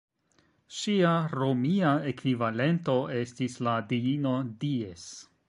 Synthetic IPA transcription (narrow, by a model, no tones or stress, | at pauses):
ʃiaɾomiaekvivale̞nto̞e̞stisladiino̞dies